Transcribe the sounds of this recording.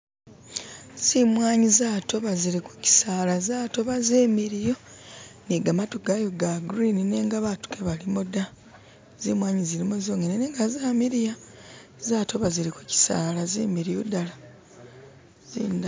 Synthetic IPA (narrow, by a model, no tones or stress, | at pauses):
z̥imwaːɲizaːto̞βaziɾiku̥ci̥saːlazaːto̞βazeːmiɾijo̞niɡamatoɡajo̞ɡaɡɾinineːŋɡaβatu̥kʰeβalimoda | zimwaːɲiziɾimozoːŋɡenene̞ːŋɡazaːmiɾijazaːtʰo̞βaziɾikuci̥sa̰ːlazḛːmiɾijodala | ziːnda